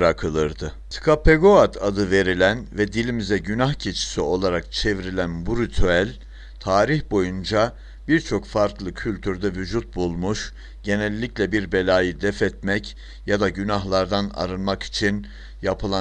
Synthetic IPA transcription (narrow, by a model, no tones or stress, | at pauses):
ɾakʰɯlˠɯɾd̪ɯ | t̪i̥kʰapʰeɡoat̪ʰad̪ɯve̞ɾilʲænvɛd̪ilʲimizɛɟynahcʰet͡ʃʰi̥sio̞lˠaɾak̚t͡ʃʰe̞vɾilʲænbuɾit̪ʰyælʲ | t̪ʰaːɾiçbo̞jund͡ʒa | biɾt͡ʃʰo̞kfaɾklˠɯcʰylʲt̪ʰyɾd̪ɛvyd͡ʒut̪̚bulˠmuʃ | ɟ̥e̞nɛlʲːiclʲɛbiɾbe̞lʲaːjɯd̪ɛfɛt̪mɛc | jad̪aɟynaɦlˠaɾd̪ana̰ɾɯnmaki̥t͡ʃʰin | japʰɯlˠa